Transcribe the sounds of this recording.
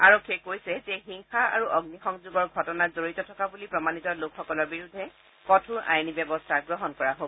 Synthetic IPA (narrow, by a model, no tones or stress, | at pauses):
aɹɔkʰːekojsɛzɛxiŋxaa̰ɹuʔɔɡnixɔŋzuɡɔɹɡʱɔtɔnazoɹitɔtʰɔkabulipɹɔmanitɔlokxːɔkɔlɔɹbiɹudʱːɛ | kɔtʰuʔa̰jnibjɛbɔstʰaɡɹɔɦɔnkɔɹaɦob